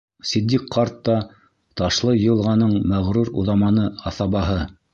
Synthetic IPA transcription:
sɘ̆d̪ʲːikqːɑɾt̪ːɑ | t̪ɑʃlˠɤj̆ɤ̆lˠʁɑnɤɴmæʁɾuɾṵðɑmɑnɤɑθɑβɑɦɤ

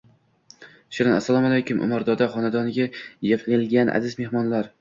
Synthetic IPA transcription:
ʃɪɾɪnasːalˠɒmalajkʰʲʊmʔʊ̰maɾd̪ɒd̪aχɒnad̪ɒnɪɡʲajepʰlɪlɡʲanʔa̰zɪzme̞hmɒnlaɾ

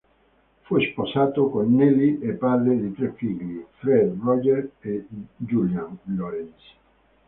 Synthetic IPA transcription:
fujsposaːt̪okonːɛliʔepːad̪ɾed̪it̪ɾefːiʎːifɾɛd̪rɔd͡ʒeɾed͡ʒuljanloɾɛns

